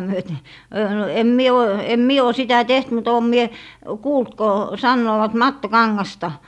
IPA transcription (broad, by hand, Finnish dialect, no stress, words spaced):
myøte øː no em mie o em mie o sitæ teht mut oˑm mie kuːlt ko sɑnːoːʋɑt mɑtːokɑŋːɑstɑ